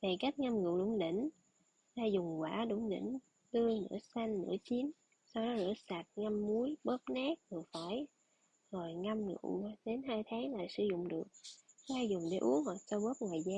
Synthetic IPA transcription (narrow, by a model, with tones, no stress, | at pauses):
ve˨˩ka˦˥jk̟̚ŋa˧mŋɨ̰˧˨wɗʊ̰˧˩ŋ͡mɗḭ˧˩˨ŋ̟ | zaː˧zʊ˨˩ŋ͡mkwaː˧˩ɗʊ̰˧˩ŋ͡mɗḭ˧˩ŋ̟ | ɗ̪ɨ˧əŋnɨ̰˧˥əsa˧ŋnɨ̰˧˥ət͡ɕi˨˦n | sa˧wɗɔ˨˦nɨ̰˧˥əsa˨˩t̚ŋa˧mːu˨˦əjɓə˦˥p̚naː˦˥k̚vɨ˨˩əfaː˧˩j | zo˨˩jŋa˧mŋɨ̰˧˨ɗe˨˦nɦaː˧jt̪ʰaː˨˦ŋla̰ː˧˨jsɨ̰˧˩zʊ̰˧˨ŋ͡mɗɨ˨˩ək̚zaː˧zʊ˨˩ŋ͡mɗḛ˧˩˦ʔu˨˦əŋhwaː˨˩t̚t͡ɕɔ˧ɓə˦˥p̚ŋwaː˨˩jzaː˧